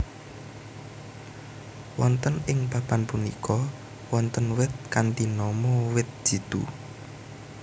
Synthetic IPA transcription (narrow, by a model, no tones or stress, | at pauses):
wɔnt̪ənɪŋpapanpunikʰɔ | wɔnt̪ənwɪt̪̚kant̪inɔmɔwɪt̪̚d̥ʒ̥i̤d̪̥ṵ